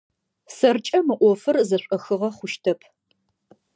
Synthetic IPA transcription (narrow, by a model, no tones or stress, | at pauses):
sɐrt͡ʃʼɐmɨʔʷɔfɨrzɐɕʷʼɐxɨʁɐχʷʊʃtʰɐpʰ